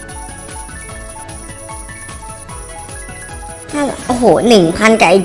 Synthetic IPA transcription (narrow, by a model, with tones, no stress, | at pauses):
t̪ʰaː˥˩˨ʔo˧ɦoː˩˦nɯ˨˩ŋpʰa˧˥nkaː˧˩ʔi˦˧